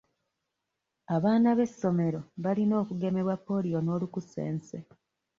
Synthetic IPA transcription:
aβaːnaβe̞sːo̞me̞ɾo̞βalino̞ːkuɡe̞me̞βwapːo̞ːlijo̞no̞ːlukuse̞̰ːnse

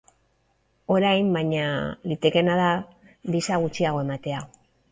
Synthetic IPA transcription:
o̞ɾajmbajɲalit̪e̞ke̞naða | ðisaɣ̞ut͡ʃiaɣo̞e̞mat̪e̞aɣo

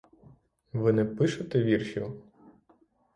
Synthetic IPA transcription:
ʋɪnɛpɪʃɐt̪ɛʋʲirʃḭ

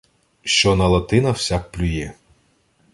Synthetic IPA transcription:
ʃt͡ʃɔnɐlˠɐt̪ɪnɐw̥sʲak̚plʲʊjɛ

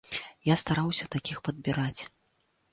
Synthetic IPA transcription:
jast̪aɾawsʲɐt̪akʲixpɐd̪̚bʲiɾat͡sʲ

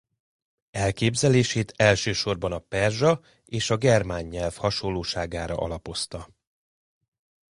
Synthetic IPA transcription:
ɛlkeːbzɛleːʃeːt̪ʰɛlʃøːʃo̞rbɒnɒpɛrʒɒ | eːʃɒɡɛrmaːɲːɛlfhɒʃolːoːʃaːɡaːɾɒ̰ʔɒ̰lɒpo̞st̪ɒ

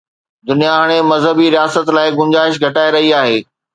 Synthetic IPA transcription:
d̪ʊnijaɦəɽ̃emɐzɦəbiɾijaːsət̪laːɪɡʊ̃ɲd͡ʑaːɪʃ̬ɡʱɐʈaːeɾɐɦiaːɦeː

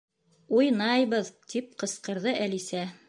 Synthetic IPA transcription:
ujnɑjβɤðt̪ʰip̚qɤ̆sqɤ̆ɾðɤʔælisæ

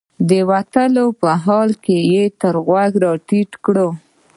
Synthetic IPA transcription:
d̪əwat̪əlopəɦɑlkejet̪əɾɣwaɡɾɑʈiʈkɽo

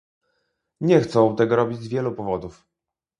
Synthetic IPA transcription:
ɲɛxt̪sɔ̃w̃t̪ɛɡɔɾɔbʲid͡ʑzvʲjɛlupɔvɔd̪uf

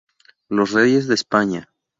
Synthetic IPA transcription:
lo̞sreje̞zðeːspaɲa

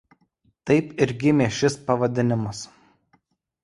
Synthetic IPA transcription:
t̪ɐɪpɪɾɡʲɪmʲeːʃʲɪspɐʋɐd̪ʲɪnʲɪmɐs

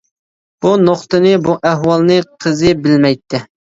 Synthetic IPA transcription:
b̥unoχt̪ɨnɨbuʔɛɦwɑlˠnɨqʰəzɨbɪlmɛjt̪ʰːɪ

